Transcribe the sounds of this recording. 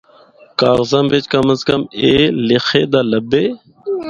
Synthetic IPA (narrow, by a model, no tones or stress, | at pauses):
kaːɣzəmʋeːt͡ʃkəməskəmeːlɪxeːd̪aːləbeː